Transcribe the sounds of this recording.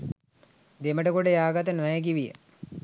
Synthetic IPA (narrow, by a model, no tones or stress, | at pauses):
d̪eməʈəkoɖejaːɡat̪ənʋɛjəɡiʋijə̰